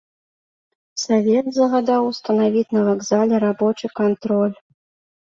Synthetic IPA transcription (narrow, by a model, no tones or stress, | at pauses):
savʲɛd̪zɐɣad̪awst̪ɐnavʲit͡sʲnɐvaɡzalʲɛɾabɔt͡ʂɨkant̪ɾɔlʲ